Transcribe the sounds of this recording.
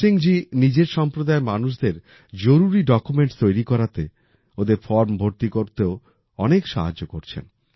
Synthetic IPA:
iŋd͡ʑinid͡ʑeɾʃɔmpɾod̪aemanuʃd̪eɾ | d͡ʑoɾuɾiɖɔkumeɳʈt̪ojɾikɔɾat̪e | od̪eɾfɔɾmbʱoɾt̪ikoɾt̪eo | ɔnekʃa̰ɦad͡ʑːokoɾt͡ɕʰḛn

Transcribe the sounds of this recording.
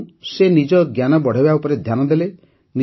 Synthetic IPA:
senid͡ʒɔɡjanɔbɔɽ̤ebaupɔɾed̪ʱjanɔd̪ele | ni

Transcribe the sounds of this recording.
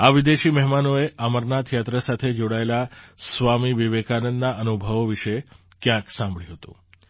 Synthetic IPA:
aʋid̪eʃimɛɦmanoeʔəməɾnat̪ʰjat̪ɾəsat̪ʰed͡ʒoɽaelasʋamiʋiʋekanənd̪naʔənubʱəʋʋiʃe | kjãksãmbɭjũɦət̪ṵ̃

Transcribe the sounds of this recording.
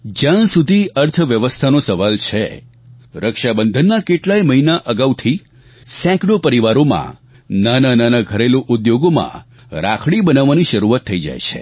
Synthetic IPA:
d͡ʒjãsud̪ʱiəɾt̪ʰəʋjəʋəst̪ʰanosəʋalt͡ʃʰḛ | ɾəkʃabənd̪ʱənːakeʈlaiməɦinaʔəɡaʋt̪ʰi | sɛ̃kɖopəɾiʋaɾomã̰ | nanananaɡʱəɾeloʔud̪joɡomã̰ | ɾa̰kʰɽibənaʋːaniʃəɾuat̪ʰːəid͡ʒa̰jt͡ʃʰḛ

